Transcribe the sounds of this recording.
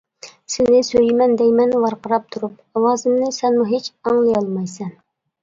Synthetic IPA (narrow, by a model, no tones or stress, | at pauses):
sɪnɪsøjmɛnd̪ɛjmɛnvɑɾqəɾɑp̚t̪ʰuɾup̚ | ɑwɑːzɨmnɪsɛnmuɦet͡ʃɑŋlˠɨjɑlˠmɑjsɛn